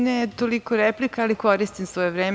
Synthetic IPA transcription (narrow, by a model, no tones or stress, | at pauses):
net̪olikoɾeplikaaliko̞ɾist̪imsʋojeʋɾeːm